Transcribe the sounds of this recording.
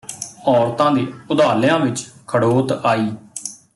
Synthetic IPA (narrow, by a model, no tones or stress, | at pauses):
ɔːɾt̪ãːd̪iːʊd̪aːljãːʋɪt͡ʃkʰəɽoːt̪aːiː